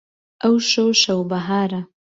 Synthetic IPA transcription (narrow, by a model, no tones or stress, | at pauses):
awʃoʃawbaɦaːɾa